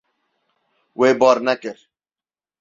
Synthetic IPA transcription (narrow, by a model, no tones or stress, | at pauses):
weːbɔːɾnɛkɪɾ